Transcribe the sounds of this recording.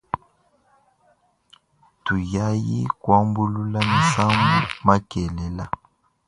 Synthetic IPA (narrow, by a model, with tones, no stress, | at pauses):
tu˨ja˦ji˦kwa˦mbu˦lu˦la˦mi˨sa˦mɡu˦ma˦kɛ˨lɛ˨la˦